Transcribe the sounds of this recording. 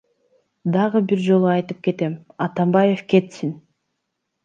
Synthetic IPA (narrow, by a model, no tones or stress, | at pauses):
d̪ɑʁɯbiɾd͡ʒo̞lˠuɑjt̪ɯp̚ke̞t̪e̞mɑt̪ɑmbɑje̞fke̞t̪sin